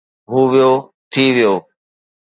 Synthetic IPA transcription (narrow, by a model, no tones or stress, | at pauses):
ɦuːʋijoː | t̪ʰiːʋɪjoː